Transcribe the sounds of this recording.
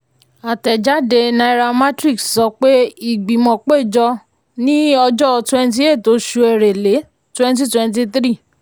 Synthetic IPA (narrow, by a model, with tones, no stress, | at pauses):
a˨tɛ˨d͡ʒa˦de˧nã˧i˧ɾa˧ma˦tɾi˦˨kssɔ˧˦k͡pe˦i˨ɡ͡bĩ˨mɔ̃˨k͡pe˦˨d͡ʒɔ˧ | nĩ˦ɔ˧d͡ʒɔ˦˧twɛ̃˧n˦t̬i˧˦e˦˨to˨˦ʃu˧ɛ˨ɾe˨le˨˦ | twɛ̃˦n˦t̬i˦twɛ̃˧nt̬i˧t̪ɾi˦˨